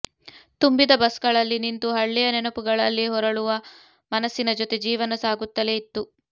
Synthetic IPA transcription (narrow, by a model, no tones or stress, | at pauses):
t̪umbid̪ɐbɐsɡɐɭɐlːinint̪uɦɐɭːijɐnɛnɐpuɡɐɭɐlːiɦɔɾɐɭuʋɐ | mɐnɐsːinɐd͡ʒɔt̪e̞d͡ʒiːʋɐnɐsaːɡut̪ːɐleit̪ːu